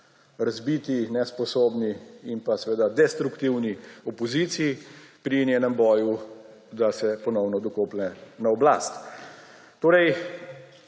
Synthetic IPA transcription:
ɾazbit̪inɛspɔsoːbniimpasɛʋeːd̪ad̪ɛst̪ɾukt̪iwniɔpɔziːt̪siːpɾinjeːnɛmbɔːju | d̪asɛpɔnɔwnɔd̪ɔkoːplɛnaɔblast̪ | t̪oːɾɛj

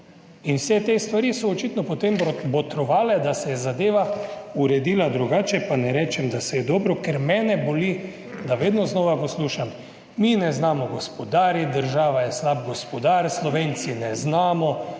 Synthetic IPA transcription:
inwsɛt̪est̪ʋaɾisɔːt͡ʃit̪nɔpot̪embbot̪ɾɔʋaːlɛd̪asɛjɛzad̪eːʋauɾɛd̪iːlad̪ɾuɡaːt͡ʃɛpanɛɾɛːt͡ʃɛmd̪asɛjɛd̪ɔːbɾɔkeɾmɛːnɛboli | d̪aʋeːd̪nɔznɔːʋaposluːʃam | minɛznaːmɔɡɔspɔd̪aːɾid̪əɾʒaːʋajɛslab̚ɡɔspɔd̪aɾslɔʋeːnt̪sinɛznaːmɔ

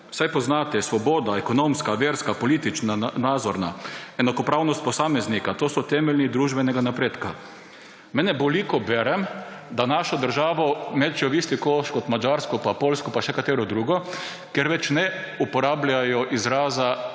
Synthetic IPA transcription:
sajpɔznat̪ɛsʋɔboːd̪aɛkɔnomskaʋeːɾskapɔliːt̪it͡ʃnanaːd̪zɔɾnaɛnakɔpɾaːwnɔst̪̚pɔsaːmɛznikat̪oːsɔt̪ɛːmɛlnid̪ɾuːʒbɛnɛɡanapɾeːt̪ka | mɛnɛbolikɔbɛːɾɛmd̪anaʃɔd̪əɾʒaːʋɔmɛt̪t͡ʃɔʋist̪ikoʃkɔt̪mad͡ʒaɾskɔpapoːlskɔpaʃɛkat̪eːɾɔd̪ɾuːɡɔ | kɛɾʋɛt͡ʃnɛ | upɔɾaːblʲajɔʔizɾaːza

